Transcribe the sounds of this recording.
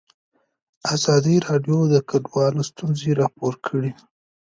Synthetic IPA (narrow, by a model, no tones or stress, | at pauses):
azɑd̪iɾɑɖjod̪əkʰaɖwɑlost̪unzeɾɑpoɾkʰəɽi